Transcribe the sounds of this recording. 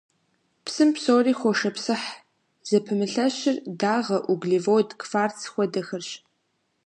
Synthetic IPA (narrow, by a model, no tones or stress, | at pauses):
psɨmpsoːriːxʷɔʂɐpsɨħ | z̥ɐpʰɨmɨɬɐɕɪrdaːʁɐʔuɡɮivoːdkfaːrt͡sʰxʷɔdɐxɐrɕ